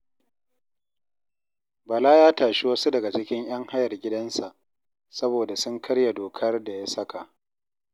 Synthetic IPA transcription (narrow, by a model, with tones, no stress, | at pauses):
bɐ˨laː˦jaː˦taː˨ʃɪ˦wɐ˦su˦dɐ˨ɡa˨t͡ʃɪ˦kʲɪ˦ɲj̰ɐ˦ŋha˦jɐ˨rɡʲɪ˦dɐ˦nsa˨ʔ | sɐ˦boː˨da˨sʊ˦ŋkʰɐ˦ɽja˨doː˨kʰɐ˦rda˨ja˦sɐ˦ka˨ʔ